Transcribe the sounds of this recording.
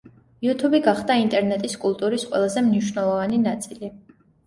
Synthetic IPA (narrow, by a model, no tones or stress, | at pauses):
iut̪ʰubiɡaχd̪aint̪ʼɛɾnɛt̪ʼiskʼulˠt̪ʼuɾisqʼwɛ̰lˠazɛmniʃwnɛlˠɔvaninat̪sʼili